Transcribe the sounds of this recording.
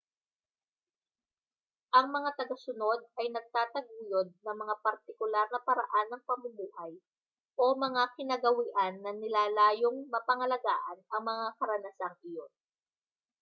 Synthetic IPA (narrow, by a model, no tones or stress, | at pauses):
ʔɐŋmɐŋat̪ɐɡɐsʊno̞d̪̚ʔɐjnɐɡ̚t̪aːt̪ɐɡuːjod̪̚nɐŋmɐŋapɐɾt̪ɪkʊlaɾnɐpɐɾɐ̰ʔanːɐŋpɐmʊmuːhɐj | ʔo̞mɐŋakɪnɐɡɐwɪʔanːɐnɪlaːlaːjoŋmɐpɐŋɐlɐɡaːʔɐnɐŋmɐŋakɐɾɐnɐsaŋʔɪjo̞n